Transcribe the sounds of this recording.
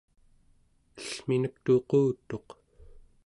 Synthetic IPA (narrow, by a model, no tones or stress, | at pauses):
əɬminək̚t̪oquːt̪o̞q